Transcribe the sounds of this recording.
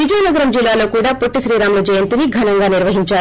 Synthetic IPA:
ʋid͡ʒɐjnɐɡɐɾɐmd͡ʒilːaːlo̞ːkuːɽaːpoʈːiʃɾiːɾaːmlɐd͡ʒɐjɐnt̪iniɡʱɐnɐŋɡaːniɾʋɐɦiɲt͡ʃaː

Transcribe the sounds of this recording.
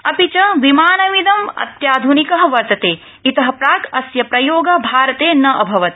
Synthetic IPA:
ɐpit͡ʃɐʋimaːnɐʋid̪ɐmɐ̰t̪jaːd̪ʱunikɐɦɐʋɐɾt̪ɐt̪eː | it̪ɐɦɐ̆pɾaːkɐsjɐpɾɐjoːɡɐbʱaːɾɐt̪eːnɐʔɐbʱɐʋɐt̪

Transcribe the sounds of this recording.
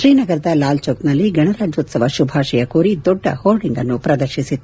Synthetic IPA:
ʃɾiːnɐɡɐɾɐd̪ɐlaːlt͡ʃoːknɐlːiɡɐɳɐɾaːd͡ʒoːt̪sɐʋɐʃubʱaːʃɛjɐkuːɾid̪ɔɖːɐ̰hoːlɖiŋɡɐnːupɾɐd̪ɐɾʃisit̪ː

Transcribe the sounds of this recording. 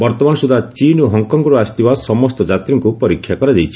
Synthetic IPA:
bɔɾt̪ɔmanɔsud̪ʱat͡ʃinoɦɔŋkɔŋɡɔɾuast̪ibasɔmɔst̪ɔd͡ʒat̪ɾiŋkupɔɾikʰːjakɔɾad͡ʒajt͡ʃʰi̥

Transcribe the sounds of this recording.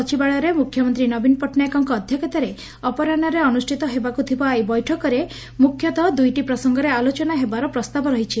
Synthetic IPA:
ɔt͡ʃʰibaɭɔɾemukʰjɔmɔnt̪ɾinɔbinpɔʈʰnajkɔŋkɔːd̪ʱjɔket̪aɾe | ɔpɔɾanɔɾeɔnusʈʰit̪ɔɦebakut̪ʰibajbɔjʈʰɔkɔɾe | mukʰjɔt̪ɔd̪ujʈipɾɔsɔŋɡɔɾealot͡ʃɔnaɦebaɾɔpɾɔst̪abʱɔɾɔɦit͡ʃʰi

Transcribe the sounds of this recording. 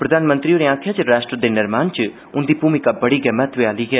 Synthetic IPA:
pɾəd̪aːnmə̃nt̪ɾioːɾeãːkʰjaːt͡ʃɾaːʃʈɾəd̪eːnɪɾmaːnt͡ʃ | ʊnd̪iːbʱuːmɪkabɐɽiːɡɛːmɛt̪ʋeaːliːɡɛː

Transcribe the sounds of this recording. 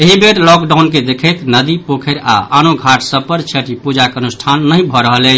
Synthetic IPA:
eɦibeɾlɔkɖawnked̪ekʰət̪nəd̪ipokʰəɾa̰ʔanoɡʱaʈʰsəb̚pəɾt͡ʃʰeʈipud͡ʒakənusʈʰanːəjbʱɔɾəɦəlɛt͡ʃʰ

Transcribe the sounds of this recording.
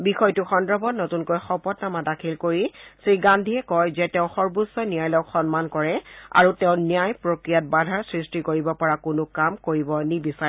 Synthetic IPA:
bixɔjtʊxɔndɹɔbɔnɔtunkojxɔpɔtnamadakʰilkoɹisɹiɡandʱiɛkɔjzɛtɛʊ̃xɔɹbusːɔnijajlɔkxɔnmankɔɹɛa̰ɹutɛʊ̃nijajpɹokɹijat̚badʱaɹsɹistikoɹibɔpɔɹakʊnʊkamkoɹibɔnibisa

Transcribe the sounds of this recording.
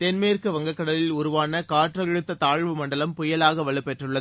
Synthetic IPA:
t̪ɛnmejɪrkɯʋɐŋɡɐkːɐɽɐlɪlʊɾʊʋaːnɐkaːʈrɐɐɻɯt̪ːɐt̪aːɻʋɯmɐɳɖɐlɐmpʊjɐlaːɣɐʋɐɭɯpːɛʈrɯɭːɐð

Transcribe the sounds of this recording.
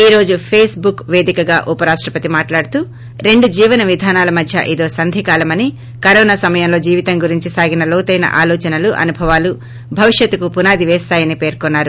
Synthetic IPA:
iːɾo̞ːd͡ʒupʰeːsbukʋe̞ːd̪ikɐɡaːʔupɐɾaːʂʈɾɐpɐt̪imaːʈlaːɽut̪uː | ɾe̞ɳɖud͡ʒiːʋɐnɐʋid̪ʱaːnaːlɐmɐd̪ʱjɐ̰ʔid̪o̞ːsɐnd̪ʱikaːlɐmɐni | kɐɾɔːnaːsɐmɐjɐmlo̞ːd͡ʒiːʋit̪ɐŋɡuɾiɲt͡ʃisaːɡinɐloːt̪ɐjnɐ̰ʔaːlɔːt͡ʃɐnɐluʔɐ̰nubʱɐʋaːlu | bʱɐʋiʂjɐt̪ːukupunaːd̪iʋɛːst̪aːjɐniːpeːɾkɔnːaːɾu

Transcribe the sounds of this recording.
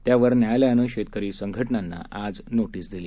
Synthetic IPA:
t̪jaʋəɾnjajljanəɕet̪̚kəɾiːsəŋɡʱəʈnanːa̰ʔad͡znoʈiːsd̪ile

